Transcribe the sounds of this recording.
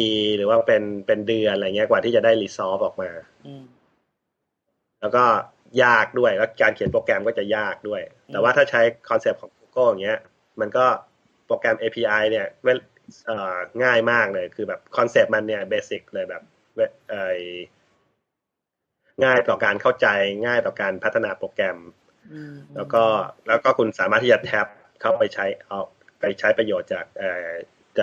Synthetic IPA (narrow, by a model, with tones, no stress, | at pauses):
iː˧ɾɯː˩˦waː˥˩pe˧npe˧ndɯ˧ənʔljŋi˦˥˩kwaː˨˩t̪ʰiː˥˩t͡ɕa˨˩daː˥˩jliː˧˥sɔː˦˥p̚ʔɔː˨˩k̚maː˧ | lɛː˦˥wkɔː˥˩ | jaː˥˩k̚du˥˩əjlaː˦˥˩kaː˧nkʰi˨˩˦npoː˧kɛ˧mkɔː˥˩t͡ɕa˨˩jaː˥˩k̚du˥˩əjt̪ɛː˨˩waː˥˩t̪ʰaː˥˩t͡ɕʰa˦˥jkʰɔː˧nse˨˩p̚kʰɔː˩˦ŋkuː˧˥kɤ˥˩˨a˨˩ŋːi˦˥ɐ | ma˧nkɔː˥˩ | pɾo˧kɛ˧mʔeː˧pʰiː˧ʔa˧jni˥˩ɐwe˥˩ | ʔəː˨˩ŋaː˥˩jmaː˥˩k̚lɤː˧jkʰɯː˧bɛː˨˩p̚kʰɔ˧nseː˨˩p̚ma˧nːi˥˩ɐbeː˧si˨˩k̚lɤː˧jbɛː˨˩p̚ | we˦˥ʔɤː˧˩j | ŋaː˥˩jt̪ɔː˨˩kaː˧nkʰa˥˩wt͡ɕa˧jŋaː˥˩jt̪ɔː˨˩kaː˧npʰa˦˥t̪ʰːa˧naː˧pɾoː˧kɛ˧m | lɛː˦˥wkɔː˥˩lɛː˦˥wkɔː˥˩kʰu˧nsaː˨˦maː˥˩t̪ʰːiː˥˩t͡ɕa˨˩t̪ʰɛ˦˥p̚ | kʰa˥˩wpa˧jt͡ɕʰa˦˥jʔa˧˩ | pa˧jt͡ɕʰa˦˥jpɾa˧joː˨˩t̪̚t͡ɕaː˨˩k̚ʔɤː˨˩ | t͡ɕaː˨˩